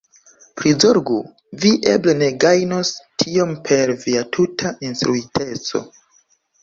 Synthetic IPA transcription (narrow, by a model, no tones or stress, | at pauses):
pɾizoɾɡu | viʔe̞̰ble̞ne̞ɡajnostʰio̞mpʰe̞ɾviatʰutʰainstɾuitʰe̞t͡so̞̰